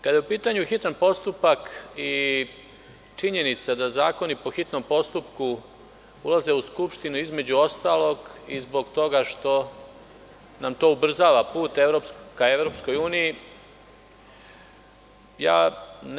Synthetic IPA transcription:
kad̪jeupiːt̪aɲuxit̪anpo̞st̪upaki | t͡ʃiɲe̞nit̪sad̪azaːko̞nipo̞xit̪no̞mpo̞st̪upku | ulˠaze̞uskupʃt̪inuizme̞d͡ʑuo̞st̪aːlˠo̞ɡizbo̞ɡt̪o̞ɡaʃt̪o̞ | namt̪o̞ːubr̩zaːʋapuːt̪eʋɾopskaeʋɾo̞psko̞juːniji | ja̰ːn

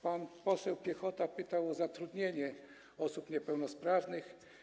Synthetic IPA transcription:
panpɔsɛwpʲjɛxɔt̪apɘt̪awɔzat̪ɾud̪ɲeɲɛ | ɔsupɲɛpɛwnɔspɾavnɘx

